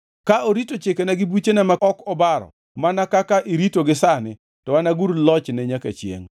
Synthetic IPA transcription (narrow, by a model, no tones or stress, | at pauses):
kaoɾitot͡ʃekenaɡɪbut͡ʃenamaɔkɔbaɾɔ̰ | manakakaʔiɾitoɡɪsanɪ | tɔwanaɡuɾlɔt͡ʃnɛɲaka̰t͡ʃjḛŋ